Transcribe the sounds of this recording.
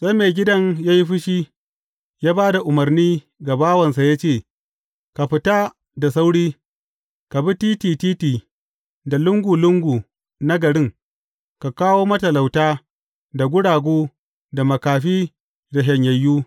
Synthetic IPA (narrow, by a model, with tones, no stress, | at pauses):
sʼe˦meː˨ɡʲɪ˦dɐ˦ŋjaː˦ji˦ɸɪ˦ʃiː˦ | jaː˦baː˦da˨ʔʊ˨mɐ˨rniː˦ | ɡa˨baː˦wɐ˨nsa˨ja˦t͡ʃeː˦˨ | ka˨ɸɪ˨ta˦ | da˨s̬a˦wɽiː˦ | ka˨bi˦tiː˦tiː˨tiː˦tiː˨ | da˨lʊ˦ŋɡʷu˨lʊ˦ŋɡʷuː˨ | na˦ɡɐ˨ɽɪ˦ŋ | ka˨kaː˦woː˦mɐ˦tɐ˨la˨wtaː˦ | da˨ɡʷʊ˦ɽaː˨ɡʷuː˦ | da˨mɐ˨kaː˨ɸiː˦ | da˨ɦɐ˨ɲjɐ˨jːuː˦